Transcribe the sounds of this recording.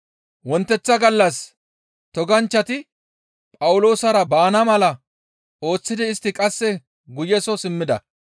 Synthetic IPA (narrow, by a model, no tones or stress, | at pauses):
wɔnt̪ːɛt͡sːɐɡɐlːɐs | t̪ɔɡɐnt͡ʃːɐt̪ɪ | pʼɐwʊlo̞ːsɐɾɐbaːnɐmɐlɐ | o̞ːt͡sːɪd̪ɪːst̪ːɪkʼɐsːɛ | ɡʊjɛsɔsɪmːɪd̪ɐ̰